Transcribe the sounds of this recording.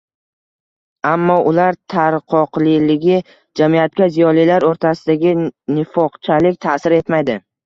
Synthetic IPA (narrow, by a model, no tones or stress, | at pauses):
amːɒʔʊlaɾt̪ʰaɾqʰɒqlɪlɪɡʲɪ | d͡ʒamijat̪̚kʲazijɒlijlaɾoɾt̪ʰasɪd̪aɡʲɪnɪfɒqt͡ʃʰalɪk̚ʲt̪ʰasɪɾe̞t̪majd̪ɪ